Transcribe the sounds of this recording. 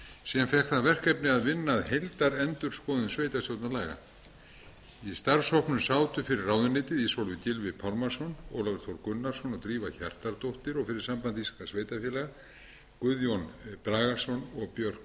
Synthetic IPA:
siːðanfɛhkθaðvɛr̥kɛpnɪaðvɪnːaðhejlt̪aɾɛnt̪ʏɾ̥skɔːðʏnsveːjt̪astjowt̪nalajɣa̰ | ist̪aɾ̥shɔhpnʏmsaːwt̪ʏfɪɾɪrːaːwðʏnːɪːt̪ɪðisolvɪcɪlvɪpʰalmaɾ̥sɔnɔ̰wlavɛɾ̥t̪ʰowɾkʏnːaɾ̥sɔnɔt̪ɾiːvaça̰r̥t̪aɾt̪owht̪ɪɾɔɣfɪɾɪɾ̥sampant̪iskasveːjt̪afjɛːlɛɣa | kʏðjonpɾaːɣḁsɔnɔɣpjœr̥k

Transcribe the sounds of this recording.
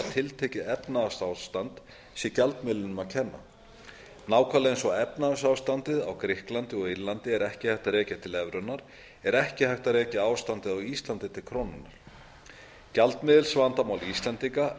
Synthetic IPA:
at̪ʰɪlt̪ʰɛcɪɛpnaasawst̪ant̪ | sjɛcalt̪mɪðlʏnʏmacʰɛnːa̰ | naːwkʰalajnsɔɛpnasawst̪ant̪ɪða̰wkɾɪhklant̪ɪɔɣiɾlant̪ɪɛɾɛhcɪhajht̪aɾɛːcat̪ʰɪlɛvɾʏnːaɾ̥ | ɛɾɛhcɪhajht̪aɾɛːcaaːwst̪ant̪ɪðawist̪lant̪ɪt̪ʰɪlkʰɾownʏnːaɾ̥ | calt̪mɪðɪlsvant̪amaːwlist̪lant̪iŋka

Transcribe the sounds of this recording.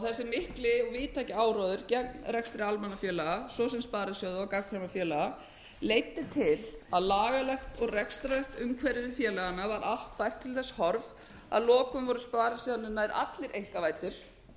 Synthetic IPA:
awθɛsːɪmɪhklɪɔɣviːt̪ʰaːjcɪaːwɾɔðʏɾ̥cɛk̚nrɾɛkst̪ɾɪalmɛnːafjɛːlaɣasɔs̬ɛmspaːɾasjowðʏakakʰɾɛmafjɛːlaɣa | leːjt̪ːɪt̪ʰɪlaðlaːɣalɛxt̪ɔɣrɛkst̪ɾaɛxt̪ʏmkʰvɛɾɪðɪfjɛːlaɣanavaɾʔal̥t̪fajr̥t̪ʰːɪlθɛsːhɔɾv | a̰ðlɔːkʏmvɔɾʏspaːɾasiðanːʏnaɪɾʔa̰t̪lɪɾʔejŋ̥kavaːjt̪ɪɾ̥

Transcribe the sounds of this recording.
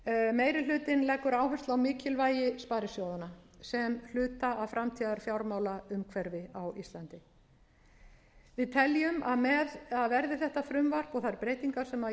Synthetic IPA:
meːjɾɪlʏːt̪ɪnlɛkːʏɾaːwɦœst̪lawmɪːcɪlvaːjɪspaːɾɪsjoːwðanasɛml̥ʏːt̪aːwfɾʔamt̪ʰiːðaɾ̥fjawɾmaːwlaʏmkʰvɛɾvɪawist̪lant̪ɪ | vɪðt̪ʰɛljʏmaðmɛðaðvɛɾðɪθɛht̪afɾʏmvar̥pɔɣθaɾpɾeːjt̪iŋkḁsɛma

